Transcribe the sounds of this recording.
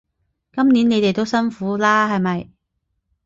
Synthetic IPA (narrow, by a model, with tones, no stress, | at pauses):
kɐ˥mniː˨˥ne˨˧jt̪e˨jt̪o˥wsɐ˥nfuː˨˥laː˥ɦɐ˨jmɐ˨j